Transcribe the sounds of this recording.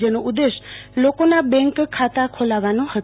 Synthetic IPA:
d͡ʒənoʔud̪eʃlokonabɛ̃ŋkkʰːat̪akʰolaʋanõhət̪

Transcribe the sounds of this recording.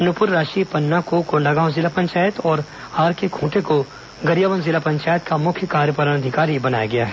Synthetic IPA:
ɐnʊpʊɾːaːʃipɐnːakokoɳɖaɡaːʊzɪlapɐ̃ɲt͡ʃaːjət̪ɔːɾ | aːɾkekʰũːʈeko | ɡɐɾijaːʋənzɪlapɐ̃ɲt͡ʃaːjət̪kamʊkʰjəkaːɾjəpɐɾənɐd̪ʱɪkaːɾibɐna̰ːjaɡɐja̰ɦɛː

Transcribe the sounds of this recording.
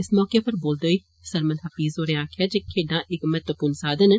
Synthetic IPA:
ɪsmɔːkeːpəɾboːld̪oːiː | səɾməlɦəfiːzɦoːɾeaːkʰjaːd͡ʒekʰːeːɖãːʔɪkmət̪ʋəpuːnsaːd̪ən

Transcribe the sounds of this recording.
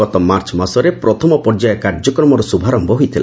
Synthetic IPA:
ɔt̪ɔmaɾt͡ʃmasɔɾepɾɔt̪ʰɔmɔpɔɾd͡ʒajɔkaɾd͡ʒɔkɾɔmɔɾɔsubʱaɾɔmbʱɔɦojt̪ʰila̰

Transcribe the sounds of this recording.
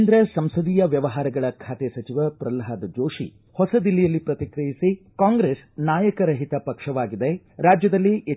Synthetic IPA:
nd̪ɾɐsɐmsɐd̪iːjɐʋjɐʋɐɦaːɾɐɡɐɭɐkʰaːt̪esɐt͡ʃiʋɐpɾɐlɦaːd̪d͡ʒoːʃḭ | hɔsɐd̪ilːijɐlːipɾɐt̪ikɾɐjisikaːŋɡɾeːsnaːjɐkɐɾɐɦit̪ɐpɐkʂɐʋaːɡid̪e | ɾaːd͡ʒjɐd̪ɐlːiʔe

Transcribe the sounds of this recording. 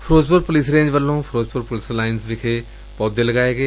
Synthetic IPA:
pʰɾoːzpəɾpʊliːs̬ɾẽːɲd͡ʒʋəlːõːpʰɾoːzpəɾpʊliːslaːɪnsʋɪkʰe | pɔːd̪eləɡaːeːɡeː

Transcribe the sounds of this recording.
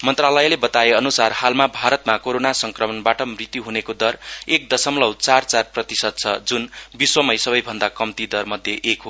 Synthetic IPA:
mʌnt̪ralʌjlebʌt̪aeʌnusarhalmabʱaɾʌt̪makoɾonasʌŋkrʌmʌnbaʈʌmrit̪juɦunekod̪ʌrek̚d̪ʌsʌmlʌwt͡sart͡sarprʌt̪isʌd̪̚t͡sʰʌd͡zunbiswʌmʌjsʌbʌjbʱʌnd̪akʌmt̪id̪ʌrmʌd̪ʱjeʔekɦo

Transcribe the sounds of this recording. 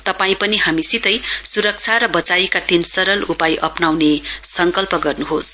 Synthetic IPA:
t̪ʌpaĩpʌniɦamisit̪ʌjsuɾʌk̚t͡sʰaɾʌbʌt͡sajkad̪insʌɾʌlupajʔʌpnawnesʌŋkʌlpʌɡʌrnuɦos

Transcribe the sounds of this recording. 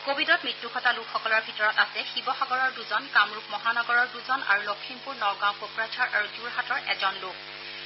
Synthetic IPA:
kobʱidɔt̚mɹitːukʰɔtalukʰxɔkɔlɔɹbʱitɔɹɔtasɛxibɔxaɡɔɹɔɹduzɔnkamɹup̚mɔɦanɔɡɔɹɔɹduzɔna̰ɹulokʰːimpuɹnɔɡãʊ̃kopɹad͡ʒʰaɹʔaɹuduɹɦatɔɹʔɛzɔnlʊk̚ʰ

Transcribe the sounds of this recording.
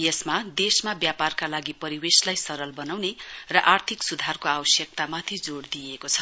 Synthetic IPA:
jʌsmad̪esmabjaparkalaɡipʌɾiweslajsʌɾʌlbʌnawnerʌʔart̪ʰiksud̪ʱarkoawʌsjʌk̚t̪amat̪ʰid͡zoɽd̪ijekot͡sʰʌ

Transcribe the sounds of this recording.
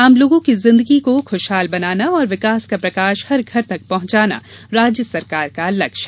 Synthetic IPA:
aːmloːɡõkizɪ̃nd̪əɡikoxoʃɦaːlbɐnaːnaɔːɾʋɪkaːskapɾɐkaːʃhɐɾɡʱɐɾt̪ɐk̚pɐɦʊ̃ɲt͡ʃaːna̰ɾaːd͡ʒjəsɐɾkaːɾkalɐkʃ

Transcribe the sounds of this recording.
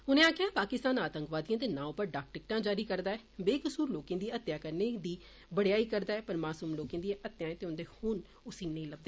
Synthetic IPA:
ɦʊnẽːaːkʰɪãːpaːkɪst̪aːnaːt̪ə̃ŋkʋaːd̪ijãːd̪eːnãːʊpəɾɖaːk̚ʈɪk̚ʈãːd͡ʒaːɾiːkəɾd̪aːɛːbeːkəsuːɾloːkẽːd̪iːət̪jaːkəɾneːd̪iː | bəɽejaːiːkəɾd̪aːɛːpəɾmaːsuːmloːkẽːd̪iʔət̪jãːẽːt̪eːʊnd̪eːhʊn | ʊsĩːnə̃ĩːləb̚d̪eː

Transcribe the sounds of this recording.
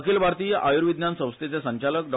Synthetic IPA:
kʰiːlbʱaɾt̪iːjəʔajuɾʋid̪njansə̃w̃st̪et͡sesəɲt͡ɕalək̚ɖɔ

